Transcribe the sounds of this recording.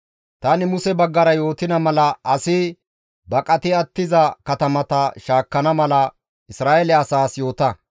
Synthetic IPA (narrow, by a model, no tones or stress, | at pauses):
t̪ɐnɪmʊsɛbɐɡːɐɾɐjo̞ːt̪ɪnɐmɐlɐʔɐsɪ | bɐkʼɐt̪ɪɐt̪ːɪzɐkɐt̪ɐmɐt̪ɐʃaːkːɐnɐmɐlɐ | ɪsɾaːʔɛlɛɐsaːsjo̞ːt̪ɐ